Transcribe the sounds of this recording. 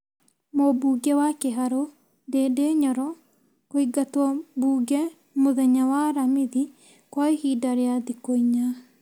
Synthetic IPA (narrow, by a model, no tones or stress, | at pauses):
mobuɡɛwakeɦaɾo | ndeːdeɲɔɾɔ | koiɡatwɔbuːɡɛ | moðɛɲawaɾamiði | kwaehidaɾeaðikoiɲa